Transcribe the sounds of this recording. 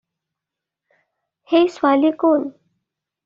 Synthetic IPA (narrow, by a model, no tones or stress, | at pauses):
hesʋalikon